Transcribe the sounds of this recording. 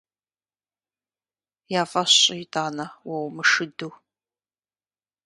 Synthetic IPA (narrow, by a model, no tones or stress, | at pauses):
jaːfɐɕʼɪtʰʼaːnɐwɐwmɨʂɨduw